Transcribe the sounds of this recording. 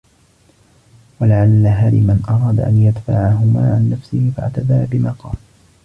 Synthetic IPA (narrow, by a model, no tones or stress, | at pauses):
walaʕalːaɦaːlɪmanʔɑɾˤɑːd̪a̰ʔanjad̪faʕaɦʊmaːʕanːafsɪhɪfa̰ʕt̪ad̪abɪmaːqɑ̰ːl